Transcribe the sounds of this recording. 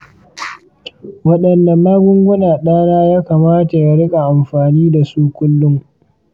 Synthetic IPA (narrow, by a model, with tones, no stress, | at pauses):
wɐ˦ɗɐ˨nːɐ˨nːaː˦ɡʷʊ˦ŋɡʷʊ˦naː˨ɗaː˦naː˦jaː˦kaː˨maː˦ta˨ja˨ɽɪ˦kʼa˨ʔa˨mɸaː˨niː˦da˨suː˦kʷʊ˦lːʊ˦ŋ